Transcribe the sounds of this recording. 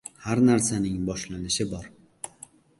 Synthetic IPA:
haɾnaɾsanɪŋbɒʃlanɪʃɪbɒɾ

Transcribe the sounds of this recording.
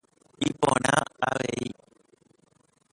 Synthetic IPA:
ipõɾ̃ãaʋei

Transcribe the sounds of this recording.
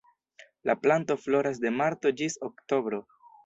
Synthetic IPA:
laplanto̞flo̞ɾas̬de̞maɾto̞d͡ʒisokto̞bɾo̞

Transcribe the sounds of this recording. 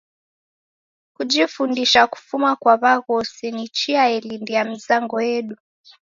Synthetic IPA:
kud͡ʒifundiʃaku̥fumakwaβaɣɔsinit͡ʃiaɛlindijam̩zaŋɡɔjɛɗu

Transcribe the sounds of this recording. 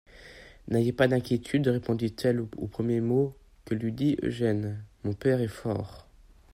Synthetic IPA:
najepad̪ɛ̃kʲjet̪ʰyd̪ʁepɔ̃d̪it̪ʰɛlo̰pχəmjemo | kəlɥid̪iʔø̰ʒɛnmɔ̃pɛʁɛfɔ̰ːʁ

